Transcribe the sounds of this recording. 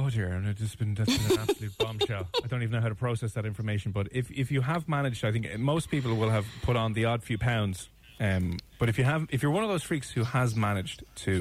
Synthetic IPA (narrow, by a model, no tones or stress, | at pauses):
odɪɹãmnəd͡ʒɪsb̥ɨ̃nətbĩnab̥səlʉt̚b̥ɑ̃mʃoʊaɪdõʊ̃ntivnːoʊaʊɾəpʰɹ̥oʊsɛsðəɾɪ̃ɱfə˞meɪʃə̃n̩bʌɾɪfɪfjəəvmanɪd͡ʒdaɪθɪ̃ŋkmoʊspʰiˑpəl̩ˠwɪlˠəv̥pʰʊɾn̩ðiɔd̥fjʉːpʰãʊ̃ndz̥ | ʌ̃mb̥ʌɾɨfjəəvɪfjə˞wʌ̃nʌvðoʊz̥fɹiˑkshuəzmanɪd͡ʒtʰə